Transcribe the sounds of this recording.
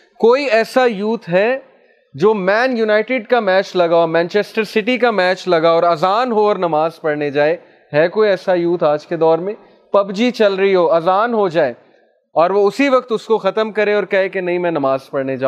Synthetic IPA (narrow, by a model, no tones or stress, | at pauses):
koːiɛːsajuːt̪ɦɛ | d͡ʒoːmɛːnjunaːɪʈɪɖkamɛːt͡ʃlɐɡaoːmɛ̃ːnt͡ʃeːsʈəɾsɪʈik̬amɛːt͡ʃlɐɡaɔːɾɐzaːnɦoɔːɾnɐmaːzpɐɽned͡ʒaːe | ɦɛkoːiɛːsajuːt̪ʰaːd͡ʒked̪ɔːɾmẽ | pɐbd͡ʒit͡ʃɐlɾɐiɦoːɐzaːnɦod͡ʒaːeː | ɔːɾʋoʊsiʋɐk̚t̪ʊskoxɐt̪əmkɐɾẽɔːɾkɛɦẽkenɐɦĩmɛ̃nɐmaːz̥pɐɽned͡ʒaː